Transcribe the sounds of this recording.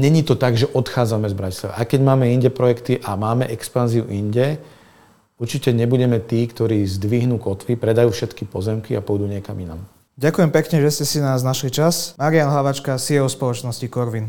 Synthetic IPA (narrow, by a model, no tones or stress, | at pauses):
ɲɛɲit̪ɔt̪aɡʒɛʔɔt̪xaːd͡zamɛzbɾaci̥slˠa̰ʋa̰ʔaɪkɛɟmaːmɛiɲɟɛpɾɔjɛkt̪iʔamaːmɛʔɛkspanziuʔiɲɟɛ | uɾt͡ʃicɛɲɛbuɟɛmɛt̪iːkt̪ɔɾiːzd̪ʋiɦnuːkɔt̪ʋipɾɛd̪ajuːfʃɛt̪kipɔzɛmkiapɔjd̪uːɲɪɛkamina̰m | ɟakujɛmpɛkɲɛʒɛscɛsinaznaʃlit͡ʃasmaɾianɦlaʋat͡ʃkasiɔʊspɔlɔt͡ʃnɔscikɔɾʋin